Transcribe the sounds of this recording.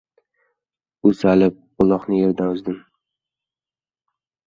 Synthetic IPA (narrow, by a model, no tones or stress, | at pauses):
ʊsalɪp̚qʊlˠɒqnɪje̞ɾd̪anʊzd̪ɪm